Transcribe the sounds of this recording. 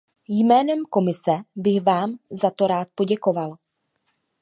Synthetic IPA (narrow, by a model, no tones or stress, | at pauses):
jmɛːnɛmko̞mɪsɛbɪɣvaːmzat̪o̞ɾaːt̪̚po̞ɟɛko̞val